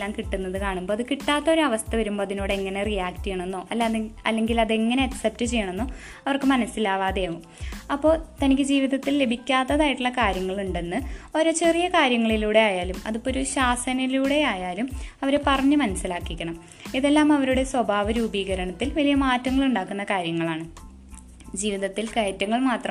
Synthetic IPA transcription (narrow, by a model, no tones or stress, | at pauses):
aːmkiʈːunːɐðɨkaːɳumbo̞ːɐðɨkiʈːaːt̪ːɐo̞ɾuɐʋɐst̪ʰɐʋɐɾumbo̞ːɐðinoːɽeeŋːɐnerijaːktijeɳenːo̞ːʔɐlːɐlːe̞ŋɡilɐðe̞ŋːɐne̞ɐksep̚tɨt͡ɕe̞jːɐɳenːoː | ɐʋɐrkɨmɐnɐsːilaːʋaːd̪eːʋum | ɐpːo̞ːt̪ɐnikʲːɨd͡ʑiːʋiðɐt̪ːille̞bʱikʲːaːt̪ːɐðaːjiʈːuɭːɐkaːɾjɐŋːɐɭuɳɖe̞nːɨo̞ɾot͡ɕe̞rijɐkaːɾjɐŋːɐɭiluːɽe̞aːjaːlumɐ̰ðupːoɾuɕaːsɐnɐluːɽe̞aːjaːlumɐʋɐɾepɐrɐɲːɨmɐnɐsilaːkːikʲːɐɳɐm | iðe̞lːaːmɐʋɐɾuɽe̞swɐbʱaːʋɐɾuːbiːɣɐɾɐɳɐt̪ːilʋɐlijɐmaːtːɐŋːɐɭuɳɖaːkːunːɐkaːɾjɐŋːɐɭaːɳɨ | d͡ʑiːʋiðɐt̪ːilkɐjɐtːɐŋːɐɭmaːt̪rɐm